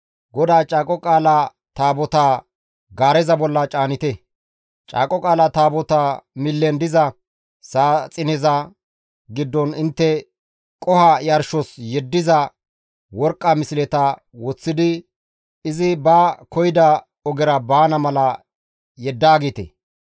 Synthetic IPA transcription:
ɡɔd̪aːt͡ʃʼaːkʼɔkʼaːla | t̪aːbɔt̪aː | ɡaːɾɛzɐbɔlːɐt͡ʃʼaːnɪt̪ɛ | t͡ʃʼa̰ːkʼɔkʼaːlɐt̪aːbɔt̪aːmɪlːɛnd̪ɪzɐ | saːt͡sʼɪnɛzɐ | ɡɪd̪ːɔnɪnt̪ːɛ | kʼɔhɐjɐɾʃɔsjɛd̪ːɪzɐ | wɔɾkʼːɐmɪsɪlɛt̪ɐ | wɔt͡sːɪd̪ɪ | ɪzɪbɐkɔjɪd̪ɐ | ɔɡɛɾɐbaːnɐmɐlɐ | jɛd̪ːaːɡɪt̪ɛ̰

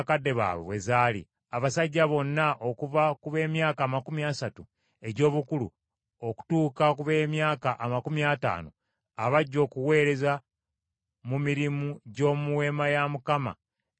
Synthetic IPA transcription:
kadːe̞βa̰ːwḛβwe̞̰zaːlḭ | aβasaɟːaβo̞nːaʔo̞kuvakuβe̞ːmjaːkaːmakumiasatu | e̞ɟo̞ːβukulṵ | o̞ku̥tuːkakuβe̞ːmjaːkaʔamakumiata̰ːno̰ | aβaɟːo̞ːkuwe̞ːɾe̞za | mumiɾimuɟo̞ːmuwe̞ːmajamukama̰

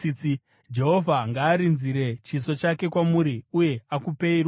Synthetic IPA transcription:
t͡s | d͡ʒe̞ɦo̞vʱaŋɡaːɾinziɾe̞t͡ʃiso̞t͡ʃake̞kwamuɾiuje̞akupe̞irwa

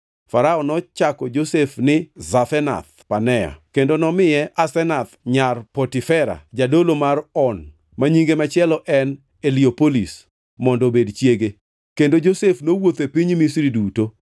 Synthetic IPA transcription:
faɾaɔnɔt͡ʃakɔd͡ʒosefnɪzaθɛna̰t̪panɛja̰kendonɔmɪjɛʔasɛnat̪ɲarpotifɛɾa̰d͡ʒadolomarɔn | maɲiŋɡemat͡ʃɪɛlɔʔɛn | eliopolḭs | mɔndɔbedt͡ʃjeɡe | kendod͡ʒosefnowot̪epiɲmisɾiduto

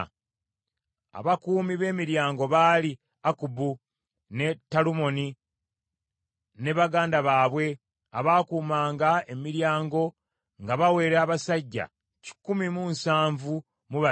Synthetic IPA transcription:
a̰βakuːmiβe̞ːmiɾjaːŋɡo̞βaːli | akubu | ne̞tːalumo̞ni | ne̞βaɡaːndaβaːβwe̞ | aβaːkuːmaːŋɡae̞miɾjaːŋɡo̞ | ŋɡaβawe̞ːɾaːβasaɟːa̰ | ci̥kːumimunsaːɱvu | muβa

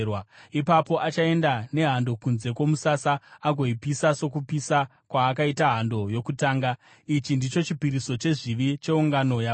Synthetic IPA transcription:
waipapo̞ʔat͡ʃae̞ndane̞ɦando̞kunze̞kwo̞musasaːɡʱo̞ipisaso̞kupisa | kwaːk̬aitaɦando̞jo̞kutaːŋɡa | it͡ʃindit͡ʃo̞t͡ʃipiɾiso̞t͡ʃe̞ʐiʋit͡ʃe̞uŋɡano̞ja

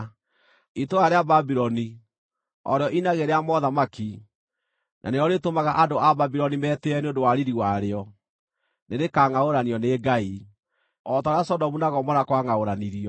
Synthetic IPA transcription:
itoaɾeababiɾɔni | ɔ̰ɾeɔʔinaɣeɾeamɔðamaki | nʔa̰neɔɾetomaɣaʔadoʔababiɾɔnimɛteɛneondowaɾiɾiwaɾeɔ | neɾekaːŋaoɾaniɔneɡai | ɔtɔɾeasɔdɔmunaɣɔmɔnakwaŋaoɾaniɾiɔ

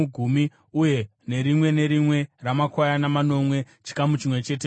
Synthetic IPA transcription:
ɡʱumi | uje̞ | ne̞ɾimwe̞ne̞ɾimwe̞ramakwajanamano̞mwe̞ | t͡ʃi̥kamut͡ʃimwe̞t͡ʃe̞ːt̬e

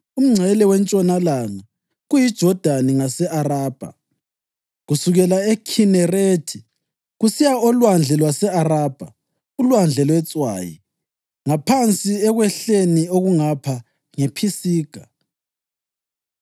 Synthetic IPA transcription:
um̩ŋ͡ǀʱɛlɛwɛnt͡ʃʼɔnalana | ɣujid̥ʒ̥ʱɔd̥ʱaniŋasɛʔaraːb̥ʱa̰ | ɣusuɣɛlaɛkʰinɛretʰi | ɣusijaɔlwand͡ɮʱɛlwasɛaraːb̥ʱa̰ | ulwand͡ɮʱɛlwɛt͡sʼwa̰ːjḭ | ŋapʰant͡sʼiɛɣwɛɬenioɣuŋapʰa | ŋepʰisiːɡ̥ʱa

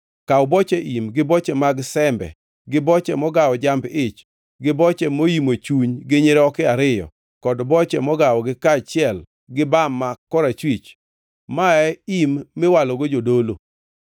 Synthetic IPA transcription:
kaʊbɔt͡ʃɛʔimɡɪbɔt͡ʃɛmaɡsɛmbɛ̰ | ɡɪbɔt͡ʃɛmɔɡawɔd͡ʒambɪt͡ʃ | ɡɪbɔt͡ʃɛmojimot͡ʃuɲɡɪɲeɾɛɔkɪaɾɪjɔ̰ | kɔdbɔt͡ʃɛmɔɡawɔɡɪkat͡ʃɪɛl | ɡɪbamːakːɔɾat͡ʃwit͡ʃ | maɛimːɪwalɔɡod͡ʒodolo

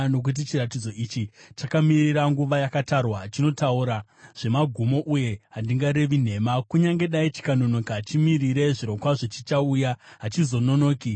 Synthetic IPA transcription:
no̞k̬ut̬it͡ʃirat̬id͡zo̞ʔit͡ʃit͡ʃakamiriɾaŋɡuʋajakatarwat͡ʃino̞tauɾa | ʐ̥e̞maɡʱumo̞ʔuje̞ɦandiŋɡaɾe̞ʋin̤e̞makuɲaŋɡe̞ɗait͡ʃi̥kano̞no̞kaɦat͡ʃimiriɾe̞ʐiɾo̞kwaʐet͡ʃit͡ʃaujaɦat͡ʃizo̞no̞no̞ːki

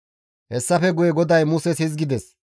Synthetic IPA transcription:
hɛsːɐfɛɡʊjɛɡɔd̪ɐjmʊsɛshɪzɡɪd̪ɛs

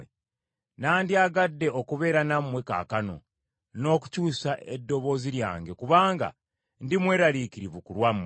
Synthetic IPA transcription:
naːndiaːɡadːe̞o̞kuβe̞ːɾanamwe̞ka̰ːkano̞̰ | no̞ːku̥cuːsaʔedːo̞βo̞ːziɾja̰ːŋɡe̞kuβaːŋɡa̰ | ndimwe̞ːɾalikiɾiβukulwamːe

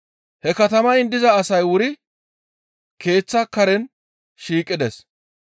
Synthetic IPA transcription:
hɛkɐt̪ɐmɐɪnd̪ɪzɐːsɐjwʊɾɪ | ke̞ːt͡sːɐkɐɾɛn | ʃiːkʼːɪd̪ɛs

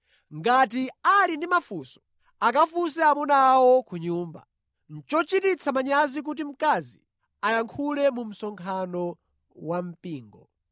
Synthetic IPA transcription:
ŋɡatialindimafuːsɔ̥ | akafusɛamunaːwɔkʰuɲuːmba̰ | n̩t͡ʃɔt͡ʃitit͡sʰamaɲazik̬ut̬im̩kazi | ajaŋkʰulɛmum̩sɔŋkʰanɔ | wam̩piːŋɡɔ̰

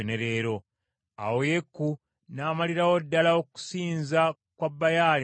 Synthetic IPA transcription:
one̞ɾe̞ːɾo̞ | a̰wojekːu | naːmaliɾawodːalaoku̥siːnza | kwabːajaːl

